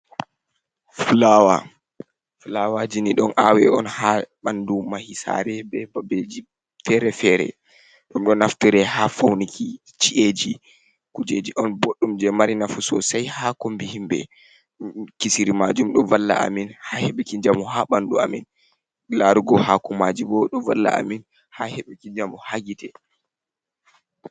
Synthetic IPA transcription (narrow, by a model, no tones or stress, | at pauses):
fulawa̰ | fulawad͡ʒiniɗɔnʔawɛɔnhaɓandumahisa̰ɾɛbɛbabed͡ʒi | fɛɾɛfɛɾɛ̰ | ɗumɗɔnaftiɾɛhafawniki | t͡ʃiʔed͡ʒi | kud͡ʒed͡ʒiʔɔnboɗːumd͡ʒɛmaɾinafusɔ̰sajhakombihimbɛ̰ | kisiɾimad͡ʒumɗɔvalːa̰ʔa̰minhahɛɓɛkid͡ʒamuhaɓandua̰min | laɾuɡɔhakumad͡ʒibɔɗɔva̰lːa̰ʔa̰min | hahɛɓɛkid͡ʒamuhaɡitɛ